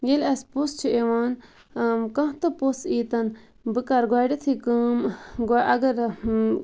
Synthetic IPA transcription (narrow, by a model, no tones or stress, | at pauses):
jelɐspost͡ʃʰuewaːn | mkɐ̃ɦt̪ɨposiːt̪ɐn | bɨkɐɾɡwaːɖit̪ʰikəːmɡaʔɐɡɐɾ